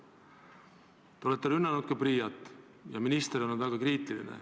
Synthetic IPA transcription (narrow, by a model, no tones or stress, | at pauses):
t̪eolet̪ːeɾynːɑnud̪̥̚kɑprɾiːjɑt̪ˑː | jɑminist̪eɾonunvæɡ̥ɑkriːt̪ːˑilḭnḛ